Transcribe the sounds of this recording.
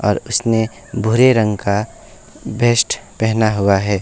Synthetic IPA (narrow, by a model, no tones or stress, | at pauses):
ɔːɾʊsne | bʱʊɾeɾə̃ŋɡka | bʱeːsʈpɛɦnaɦʊaɦɛː